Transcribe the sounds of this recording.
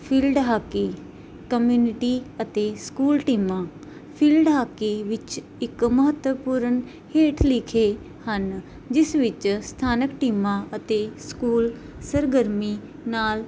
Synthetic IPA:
pʰiːlɖɦaːkiː | kəmjuːnɪʈiːət̪eːskuːlʈiːmãː | pʰiːlɖɦaːkiʋɪt͡ʃ | ɪkməɦət̪wəpuːɾən | heːʈʰlɪkʰeː | hən | d͡ʒɪsʋɪt͡ʃst̪ʰaːnəkʈiːmãːət̪eːskuːl | səɾɡəɾmiː | naːl

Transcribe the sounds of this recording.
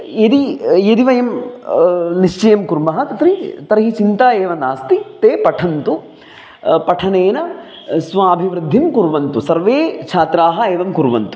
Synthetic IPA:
ed̪ijed̪iʋɐjɐm | niʂt͡ʃɐjɐmkuɾmɐɦɐt̪ɐt̪ɾit̪ɐɾɐɦit͡ʃint̪aːeːʋɐnaːst̪it̪eːpɐʈʰɐnt̪u | pɐʈʰɐneːnɐ | sʋaːbʱiʋɾɪd̪ʱːimkuɾʋɐnt̪usɐɾʋeːt͡ʃʰaːt̪ɾaːɦɐeːʋɐmkuɾʋɐnt̪u̥

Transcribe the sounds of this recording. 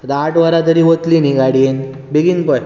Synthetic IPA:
d̪aaʈʋəɾat̪əɾiɦot̪liniɡaɽien | beɡiːnpɔj

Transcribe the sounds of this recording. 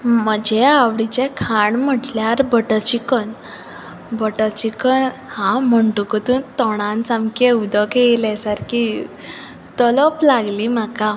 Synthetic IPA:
m̤əd͡ʑeawɽit͡ɕekʰaɳm̤əʈljaɾbəʈət͡ɕikən | bəʈət͡ɕikənhãm̤əɳʈukət̪uːnt̪ɔɽ̃ãnt͡samkeud̪ʱəkelɛsaɾki | t̪ɔlɔplaɡlimaka

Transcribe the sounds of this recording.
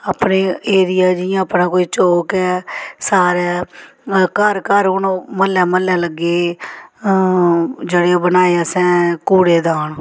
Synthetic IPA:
aːpneːeːɾɪjaːd͡ʒɪjãːəpnãːkoːiːt͡ʃoːkɛːsaːɾɛː | kəɾkəɾʊnoməlːɛːməlːɛːləɡːeː | d͡ʒeɽeːoːbənaːeaːsɛ̃ːkuːɽeːd̪aːɳ

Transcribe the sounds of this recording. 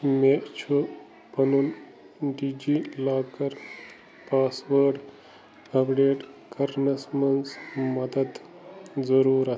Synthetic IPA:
meːʔt͡ʃʰu | pɐnuːn | ɖiːd͡ʒiːlaːkɐɾ | paːsʋəɾɖ | ɐpʰɖeːʈkʰɐɾnɐsmɐnsmɐd̪əd̪ | d͡zɐɾuːɾa

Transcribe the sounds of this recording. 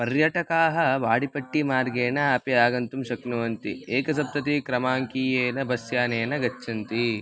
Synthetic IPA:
pɐɾjɐʈɐkaːɦɐʋaːɽipɐʈːimaːɾɡeːnɐapiaːɡɐnt̪umʃɐknuʋɐnt̪ieːkɐsɐp̚t̪ɐt̪ikɾɐmaːŋkiːjeːnɐbʱɐsjaːneːnɐɡɐt͡ʃːt͡ʃʰːɐnt̪i

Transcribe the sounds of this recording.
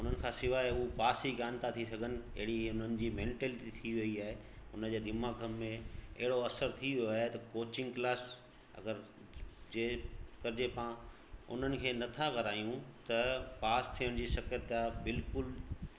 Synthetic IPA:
ʊn̤ənɪ̆kʰãːsɪʋaːɦeʊɦupaːsikãːnt̪ʰat̪ʰisɐɡʱənɪ̆ɐ̰ɦɪɽiʊn̤ənɪ̆d͡ʑiːmẽːɳʈelɪʈit̪ʰiʋɐiaːɦe | ʊnəd͡ʑeːd̪ʱɪmaːɡʱəmːẽɐ̰ɦɪɽoɐsəɾt̪ʰiʋijoaːɦet̪ɐkoːt͡ɕɪ̃ŋɡklaːs | ɐ̰ɡəɾ | d͡ʑeːkɐɾɪd͡ʑepãː | ʊ̰n̤ənɪ̆kʰeːnɐt̪ʰaɣɐɾaːjũt̪ɐpaːst̪ʰijəɽ̃d͡ʑiːsɐkət̪aːbɪlkʊl

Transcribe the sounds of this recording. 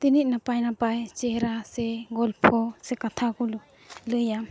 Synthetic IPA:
t̪iniʔ̚napajnapajt͡ʃɛɾasɛɡɔlpʰɔsɛkat̪ʰakulu | lɯja

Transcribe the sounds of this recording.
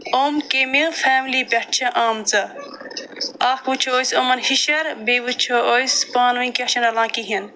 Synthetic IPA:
oːmkemifʰɛːmlipɐʈ̚ʰt͡ʃʰɐʔaːmt͡sɐ | aːkʰut͡ʃʰuoːjsomɐnhiʃɐɾbeːʋut͡ʃʰoojspaːnuĩket͡ʃʰɐnɐlãːkiɦin

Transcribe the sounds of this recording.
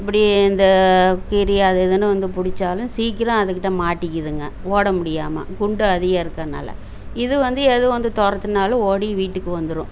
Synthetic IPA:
ɪp̬ːɐɽiɪnd̪ɐkɪɾɪjaːðɐðɯnɯʋɐnd̪ɯpʊɽɪt͡ʃːaːlʊ̃siːkːɪɾãːɐðɯk̬ːɪʈːɐmaːʈːɪkːɪðɯŋɡɐoːɽɐmʊɽɪjaːmɐ̰ɡʊɳɖɯɐðɪɣɐːɪɾɯkːɐna̰ːlɐ̰ | ɪðɯʋɐnd̪ɯɛðɯʋɐnd̪ɯt̪ɔɾɐt̪ːɯnaːlʊ̃oːɽiʋiːʈːɯkːɯʋɐnd̪ɯɾʊ̃

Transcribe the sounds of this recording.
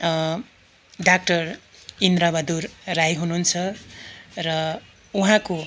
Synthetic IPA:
ɖak̚ʈʌrind̪ɾabʌd̪urrajɦununt͡sʰʌ | rʌ | uɦãko

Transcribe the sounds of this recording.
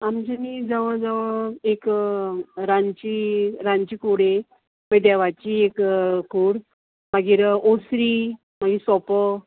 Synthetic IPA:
amt͡ɕanid͡zaʋəd͡zaʋəek | ɾaɲt͡ɕiɾãɲt͡ɕikuɽe | məd̪jaʋat͡ɕiekkuːɽ | maɡiːɾosɾi | maɡiːsɔpə

